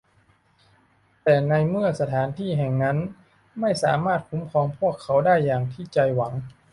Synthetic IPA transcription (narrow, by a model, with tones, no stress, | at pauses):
t̪ɛː˨˩na˧jmɯ˥˩ɐsa˧t̪ʰaː˩˦nt̪ʰiː˥˩ɦɛ˨˩ŋna˦˥n | ma˥˩jsa̰ː˩˦maː˥˩t̪̚kʰu˦˥mkʰɔː˧mpʰu˥˩əkʰːa˩˥wdaː˥˩jːaː˨˩ŋt̪ʰiː˥˩t͡ɕa˧jwa˩˦ŋ